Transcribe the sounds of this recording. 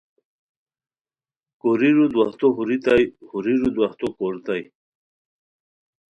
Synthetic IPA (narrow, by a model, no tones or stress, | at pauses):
koɾiɾud̪wɐht̪oɦuɾit̪ajhuɾiɾud̪waht̪okoɾt̪aj